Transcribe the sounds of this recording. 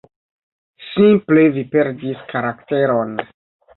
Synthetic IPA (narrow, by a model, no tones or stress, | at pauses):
simplevipeɾdiskaɾakte̞ɾon